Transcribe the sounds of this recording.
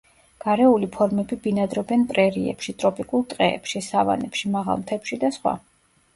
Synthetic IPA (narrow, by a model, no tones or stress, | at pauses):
ɡ̥aɾɛulipʰɔɾmɛbibinad̪ɾɔbɛnpʼɾɛɾiɛ̰pʃit̪ʼɾɔpʼikʼulˠt̪ʼqʼɛːpʃisava̰nɛpʃimaʁa̰lˠmt̪ʰɛpʃid̪asχwa̰